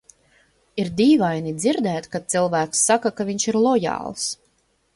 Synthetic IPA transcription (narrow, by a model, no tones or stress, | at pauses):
iɾd̪iːvajnid̪ziɾd̪ɛːt̪kat̪silˠvæːksːakakavʲiɲʃiɾlˠɔjɑ̰ːlˠs